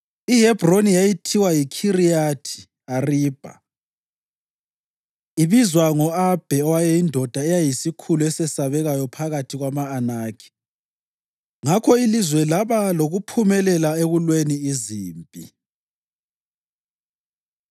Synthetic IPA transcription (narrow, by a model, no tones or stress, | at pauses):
iɦɛbronijajitʰiwajikʰiriatʰi̥ | ariːb̥ʱa̰ | iβizwaŋɔab̥ʱɛɔwajɛjindʱɔd̥ʱaɛjajisikʰuluɛsɛsaβɛɣajɔpʰaɣatʰiɣwamaːnaːkʰi̥ | ŋakʰɔilizwɛlaβaloɣupʰumɛlɛlaeɣulweniiziːmpʼḭ